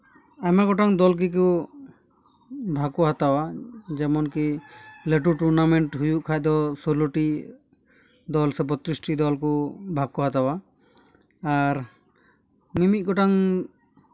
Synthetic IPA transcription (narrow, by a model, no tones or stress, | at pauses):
amaɡɔʈaŋd̪ɔlk̬ik̬u | bʱakɔɦat̪awad͡ʒɛmɔnkileʈ̬uʈuɾnamɛɳʈɦujuʔkʰad̪ɔsɔloʈi | d̪ɔlsɛpɔt̪ɾisʈid̪ɔlkubʱakɔɦat̪awa | ɾ | mimit̪̚ɡɔʈaŋ